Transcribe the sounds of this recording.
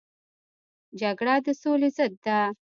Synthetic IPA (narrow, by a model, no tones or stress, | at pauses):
d͡ʒaɡɽad̪əsolezəd̪ːa